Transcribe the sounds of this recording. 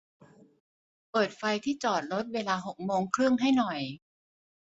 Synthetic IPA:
pɤː˨˩t̪̚fa˧jt̪ʰiː˥˩t͡ɕɔː˨˩t̪̚ɾo˦˥t̪̚weː˧laː˧ɦo˨˩k̚moː˧ŋkʰɾɯ˥˩əŋɦa˥˩jnɔ˨˩j

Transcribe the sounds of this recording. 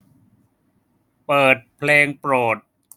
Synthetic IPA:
pɤː˨˩t̪̚pʰleː˧ŋpɾoː˨˩t̪̚

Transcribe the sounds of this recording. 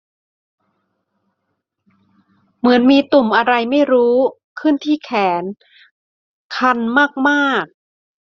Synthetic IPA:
mɯ˩˦ənmiː˧t̪u˨˩mʔa˧ɾa˧jma˥˩jɾuː˦˥ | kʰɯ˥˩nt̪ʰiː˥˩kʰɛː˩˦n | kʰa˧nmaː˥˩k̚maː˥˩k̚

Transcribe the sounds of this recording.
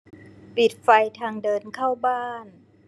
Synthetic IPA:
pi˨˩t̪̚fa˧jt̪ʰaː˧ŋdɤː˧nkʰa˥˩wbaː˥˩n

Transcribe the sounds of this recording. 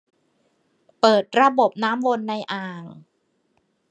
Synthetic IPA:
pɤː˨˩t̪̚ɾa˧bo˨˩p̚naː˦˥mwo˧nːa˧jʔaː˨˩ŋ

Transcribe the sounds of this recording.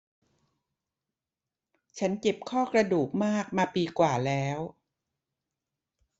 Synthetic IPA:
t͡ɕʰa˦˥nke˨˩p̚kʰɔː˥˩kɾa˧duː˨˩k̚maː˥˩k̚maː˧piː˧kwaː˨˩lɛː˦˥w

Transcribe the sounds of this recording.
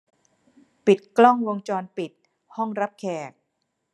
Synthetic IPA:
pi˨˩t̪̚klɔ˥˩ŋwo˧ŋt͡ɕɔː˧npi˨˩t̪̚ | hɔ˥˩ŋɾa˦˥p̚kʰɛː˨˩k̚

